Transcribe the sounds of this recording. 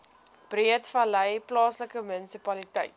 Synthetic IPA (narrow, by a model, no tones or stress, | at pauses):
b̥riətfɐləjplɑːsləkəmənisipɐlitəjt̚